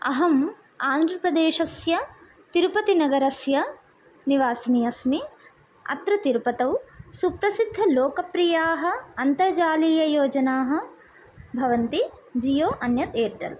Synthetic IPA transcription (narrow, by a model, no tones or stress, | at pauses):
ɐ̰ɦɐm | aːnd̪ʱɾɐpɾɐd̪eːʃɐsjɐ | t̪iɾupɐt̪inɐɡɐɾɐsjɐ | niʋaːsɐnijɐsmi | ɐ̰t̪ɾɐt̪iɾpɐt̪ɐwsupɾɐsid̪ʱːɐloːkɐpɾijaːɦɐ̆ɐnt̪ɐɾd͡ʒaːliːjɐjoːd͡ʒɐnaːɦɐ̆ | bʱɐʋɐnt̪i | d͡ʒijoːʔɐnjɐt̪eːʈ̪ɐ̰l